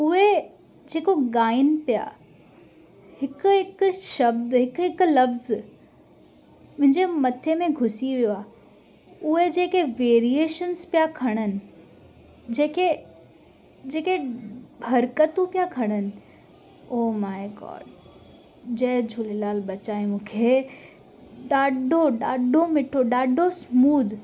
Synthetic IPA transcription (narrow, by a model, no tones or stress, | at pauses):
ʊɦe | d͡ʑeːkoɡaːɪnpija̰ | hɪkʊɦɪkʊʃɐbd̪ɦɪkɦɪklɐfz | mʊ̃ɦɪɲd͡ʑemɐt̪ʰemẽɡʱʊsiʋijoaː | ʊɦed͡ʑeːkeʋeːɾieːʃənspijakʰɐɽ̃ənɪ̆ | d͡ʑeːke | d͡ʑeːkebʱɐɾkət̪ũpijakʰɐɽ̃ənɪ̆ | oːmaːɪɡɔ̰ːɖ | d͡ʑɐɦd͡ʑʱulilaːlbɐt͡ɕaːemũːkʰe | ɗaːɖʱoɗaːɖʱomɪʈʰoɗaːɖʱosmuːd̪ʱ